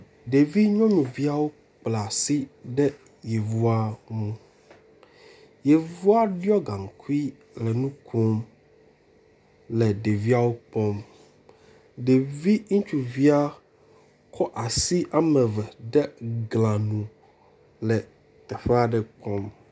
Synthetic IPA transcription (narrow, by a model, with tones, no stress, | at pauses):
ɖe˨vi˦ɲɔ̃˦mĩ˨vi˦a˦wo˦ | k͡pla˨si˦ɖɛ˦ | je˨vu˦a˦ŋũ˦ | je˨vu˦a˦ɖjɔ˦ɡã˨ŋ˨ku˦i˦ | lɛ˨nũ˦kʰu˦m | lɛ˨ɖe˨vi˦a˦wo˦k͡pɔ˦m | ɖe˨vi˦ŋũ˦t͡ʃu˨vi˦a˦ | kʰɔ˦ʔa˨si˦ʔa˨mɛ̃˨vɛ˨ɖɛ˦ɡlã˨nũ˨ | lɛ˨ | t̪ɛ˨ɸɛ˦a˦ɖɛ˨k͡pɔ˦m